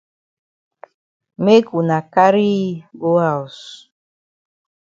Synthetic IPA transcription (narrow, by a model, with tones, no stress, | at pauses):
me˦ku˨na˨ka˦ɾi˦ɡo˦a˦˨u˨s